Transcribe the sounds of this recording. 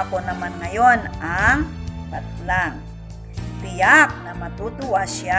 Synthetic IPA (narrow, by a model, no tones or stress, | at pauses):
ponɐmanŋɐjonaŋpat̪̚laŋ | tɪjak̚nɐmɐt̪ut̪ʊʔaʃa